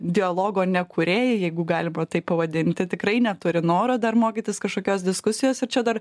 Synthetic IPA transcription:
d̪ʲɪɐlˠoːɡoːnʲɛkʊɾʲeːjɪjɛɪɡʊɡɑːlʲɪmɐt̪ɐɪpːɐʋɐd̪ʲɪnʲt̪ʲtɪt̪ʲɪkrɐɪnʲɛt̪ʊɾʲɪnoːɾoːd̪ɐrmoːkʲiːt̪ʲɪskɐʃkoːkʲoːsd̪ʲɪskʊsʲɪjoːsɪɾt͡ʃʲɛd̪ɐr

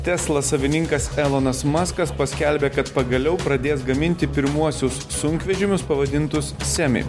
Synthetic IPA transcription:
t̪ʲɛslˠɐsɐʋʲɪnʲɪŋkɐsɛlˠonɐsmɑskɐspɐsʲkʲɛlʲbʲeːkɐt̪pɐɡɐlʲɛʊpɾɐd̪ʲeːs̬ɡɐmʲɪnʲt̪ʲɪpʲɪɾmuɔsʲʊsːʊŋʲkʋʲɛʒʲɪmʲʊspɐʋɐd̪ʲɪnt̪ʊssʲæmʲɛ̰

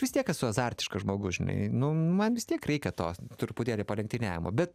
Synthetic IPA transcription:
ʋʲɪst̪ʲiɛkɐsʊɐzɑrʲt̪ʲɪ̥ʃkɐʒmoːɡʊʒʲɪnɐ̰ɪnʊmɐnʋʲɪst̪ʲiɛkrʲɛɪkʲɛt̪oːt̪ʊrpʊt̪ʲeːlʲeːpɐlʲɛŋk̚ʲt̪ʲɪnʲæːʋʲɪmo̰ːbʲɛt̪

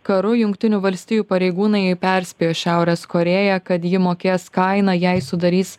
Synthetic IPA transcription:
kɐɾʊjʊŋkt̪ʲɪnʲuːʋɐlʲsʲt̪ʲɪjuːpɐɾʲɛɪɡuːnɐɪɛɪpʲɛˑɾʲsʲpʲejoːʃʲæˑʊɾʲɛskoːɾʲeːjɛkɐt̪jɪmoːkʲeːskɐɪnɑːjɛɪsʊd̪ɐɾʲiːs

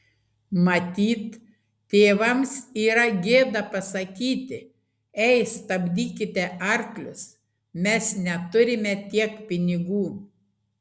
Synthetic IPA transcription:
mɐt̪ʲiːt̪ | t̪ʲeːʋɐmsiːɾɐɡʲeːd̪ɐpɐsɐkʲiːt̪ʲɪ | ɛɪst̪ɐbʲd̪ʲiːkʲɪt̪ʲɛʔɐɾklʲʊs | mʲɛsnʲɛt̪ʊɾʲɪmʲɛt̪ʲiɛkpʲɪnʲɪɡuː

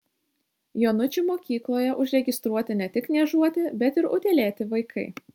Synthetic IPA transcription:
joːnʊt͡ʃʲʊmoːkʲiːklˠoːjɛʔʊʒʲɾʲɛɡʲɪst̪ɾuɔt̪ʲɪnʲɛt̪ʲɪknʲɛʒuɔt̪ʲɪbʲɛt̪ɪɾʊt̪ʲelʲeːt̪ʲɪʋɐɪkʰɐɪ

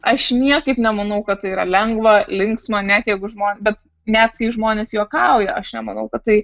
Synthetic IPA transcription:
ɐʃnʲiɛkɐɪpnʲɛmɐnɐʊkɐtt̪ːɐɪiːɾɐlʲɛŋɡʋɐlʲɪŋksmɐnʲæt̪jɛɪɡʊʒmoːnbʲɛt̪ | nʲæt̪̚kɐɪʒmoːnʲeːsjuɔkɐʊjɛʔɐʃnʲɛmɐnɐʊkɐt̪tɐɪ

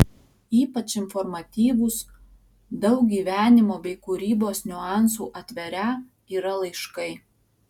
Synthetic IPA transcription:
iːpɐt͡ʃɪnfɔɾmɐt̪ʲiːʋʊs | d̪ɐʊk̚ɡʲiːʋʲæːnʲɪmoːbʲɛɪkuːɾʲiːboːsnʲʊɑˑnsuːʔɐt̪ʲʋʲɛɾʲæː | iːɾɐlˠɐɪʃkɐɪ

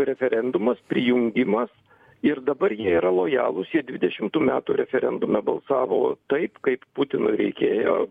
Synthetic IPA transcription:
ɾʲɛfʲɛɾʲɛnd̪ʊmɐspʲɾʲɪjʊŋʲɡʲɪmɐs | ɪrd̪ɐbɐɾjiɛiːɾɐlˠoːjɑ̰ːlˠʊsjiɛd̪ʲʋʲɪd̪ʲɛʃʲɪmt̪uːmʲæːt̪uːɾʲɛfʲɛɾʲɛnd̪ʊmʲɛbɐlˠsɑːʋo̰ːt̪ɐɪpkɐɪpput̪ʲɪnʊ̰ɪɾʲɛ̰ɪkʲeːjo̰ː

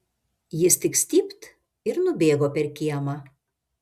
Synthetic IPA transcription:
jɪst̪ʲɪksʲt̪ʲiːpt̪ | ɪɾnʊbʲeːɡoːpʲɛɾkʲiɛmɑ

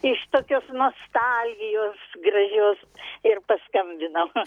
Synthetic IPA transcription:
ɪʃt̪oːkʲoːsnoːst̪ɐlʲɡʲɪjoːsɡrɐʒʲoːs | ɪrpɐskɐmʲbʲɪnɐm

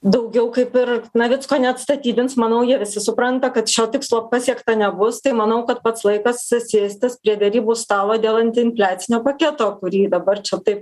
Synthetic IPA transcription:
d̪ɐʊɡʲɛʊkɐɪpɪrnɐʋʲɪskoːnʲɛɐt̪st̪ɐt̪ʲiːbʲɪnsmɐnɐʊjiɛʋʲɪsʲɪsʊpɾɐnt̪ɐkɐt̪ʃʲoːt̪ʲɪkslˠoːpɑsʲiɛkt̪ɐnʲɛbʊst̪ɐɪmɐnɐʊkɐt̪pɐt̪slˠɐɪkɐssʲeːsʲt̪ʲɪspʲɾʲiɛd̪ʲɛɾʲiːbuːst̪ɑːlˠoːd̪ʲeːlˠɐnʲt̪ʲɪɪnʲfʲlʲæːt̪t͡s̪ʲsʲɪnʲoːpɐkʲɛt̪oːkʊɾʲiːd̪ɐbɐrt͡ʃʲɛt̪ɐɪp

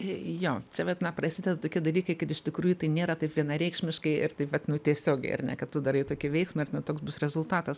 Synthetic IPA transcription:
joːt͡ʃʲɛʋʲɛt̪nɐprɐsʲɪdʲɛd̪ɐt̪oːkʲiɛd̪ɐlʲiːkɐɪkɐt̪ɪʃʲt̪ʲɪkɾuːjʊt̪ɐɪnʲeːɾɐt̪ɐɪpʋʲiɛnɐɾʲɛɪkʃʲmʲɪʃkɐɪɪrt̪ɐɪʋɐt̪nʊt̪ʲiɛsʲoːɡʲɛ̰ɪɐ̰rnʲɛ̰kɐtt̪ːʊd̪ɐɾɐɪt̪oːkʲɪʋʲɛɪksmɐɪɐrtnɐt̪oːksbʊsɾʲɛzʊlˠt̪ɑːt̪ɐs

